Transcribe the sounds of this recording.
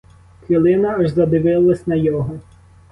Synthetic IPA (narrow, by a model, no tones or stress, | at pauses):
xilˠɪnɐɐʒzɐd̪ɪʋɪlˠɐsʲnɐjɔɦɔ